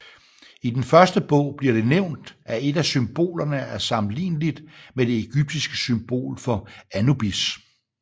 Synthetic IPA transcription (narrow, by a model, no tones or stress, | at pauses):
id̥enfɶɐsd̥əb̥ɔ̰̽ʊ̰b̥liɐ̰ɾ̥e̝neʊ̰nd̥æe̝d̥æsymb̥o̝̰ːlɐnəæɐsɑ̈mn̩lḭːnlid̥med̥e̝eɡ̥yb̥̚d̥isɡ̥ə̥symb̥o̝̰ːlfɒ̽ænub̥is